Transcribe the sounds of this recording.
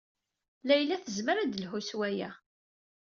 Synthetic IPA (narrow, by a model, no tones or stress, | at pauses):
læjlæθəzməɾæd̪lhuswæjæ̰